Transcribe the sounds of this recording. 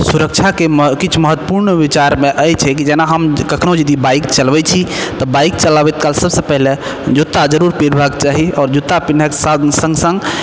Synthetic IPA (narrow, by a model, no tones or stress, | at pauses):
suɾək̚t͡ʃʰakekit͡ʃʰməɦət̪wəpuɾnbit͡ʃaɾmeʔəjt͡ʃʰɛkid͡ʒɛnaɦəmkəkʰnod͡ʒəd̪ibaikt͡ʃəlbɛt͡ʃʰit̪ɔbaik̚t͡ʃəlabɛt̪kalsəbsepəɦle | d͡ʒut̪ːad͡ʒəɾuɾpiɾbʱaɡt͡ʃaɦiɔːɾd͡ʒut̪ːapinəksasə̃ŋɡsə̃ŋɡ